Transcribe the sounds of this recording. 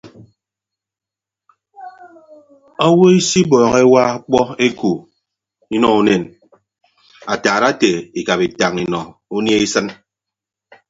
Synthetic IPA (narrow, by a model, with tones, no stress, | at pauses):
a˦wo˦i˦si˦bɔː˨ɣe˦wa˦k͡pɔ˦e˦ku˨ | i˦nɔ˦u˦ne˨n | a˨taː˨ɾa˦te˨i˨ka˨pi˨ta˨ŋi˨nɔ˨u˦nje˦i˦sɨ˦n